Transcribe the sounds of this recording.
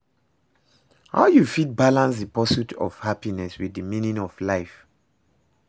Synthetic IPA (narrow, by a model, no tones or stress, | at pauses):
ha̰ʊjufit̚balãns̬ðəpɔsutʰɔ̰v̥hapinɛswiðəmĩnĩŋɔvlaɪf